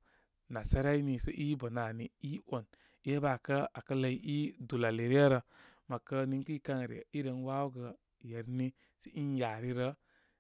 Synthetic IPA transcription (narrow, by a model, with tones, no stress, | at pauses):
na˨sa˦ɾa˦i˦ni˨sə˦ʔi˦bə˨na˨ni˨i˦o˨n | i˦e˦ba˨kə˦a˨kə˦lə˧i˦ʔi˦du˨la˨le˨ɾi˦ə˦ɾə˧ma˨kə˦ni˨ŋki˦ka˦ŋ˨ɾḭ˨i˦ɾə˨nwa˦ɡə˧ | je˨ɾni˦ | si˦ʔi˦nja˨ɾi˦ɾə˦